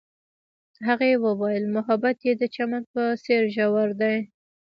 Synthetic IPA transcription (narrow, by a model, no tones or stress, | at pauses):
ɦaɣaewəwajəlmʊɦabat̪jed̪ət͡ʃamanpəseɾʒawaɾd̪aj